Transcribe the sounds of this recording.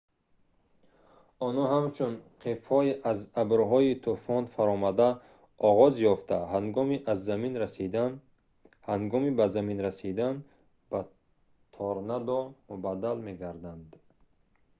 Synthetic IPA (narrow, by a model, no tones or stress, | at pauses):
ɔnhɔɦamt͡ʃʰunqʰefhɔiʔazabɾɦɔit̪ʰufɔnfaɾɔmad̪a | ʔɔʁɔzjɔft̪ʰaɦaŋɡɔmiʔazːaminɾasid̪an | haŋɡɔmibazaminɾasid̪an | ba | t̪ʰɔɾnad̪ɔmubad̪almeɡaɾd̪and̪